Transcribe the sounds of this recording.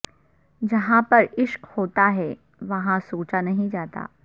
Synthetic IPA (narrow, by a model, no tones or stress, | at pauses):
d͡ʒɐɦãpɐɾɪʃkhoːt̪aɦɛ | ʋɐɦãsoːt͡ʃanɐɦĩd͡ʒaːt̪a̰ː